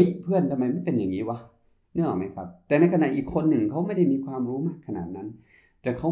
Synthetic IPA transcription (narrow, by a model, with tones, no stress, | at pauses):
ʔiː˨˩k̚pʰɯ˥˩ənt̪ʰa˧ma˦˥jma˧˥˨npe˧˨nja˨˩ŋiː˦˥˩wa˧ | nɯ˥˩˨wa˨˩ma˦˥jkʰa˦˥p̚t̪ɛː˨˩na˧jkʰa˧na˨˩ʔiː˨˩kʰːo˧nːɯ˨˩ŋkʰa˦˥wma˥˩jda˥˩jmiː˧kʰwaː˧mɾuː˦˥maː˧˥˩kʰːa˧na̰˨˩t̪̚na˦˥n | t̪ɛ˧˩kʰa˦˥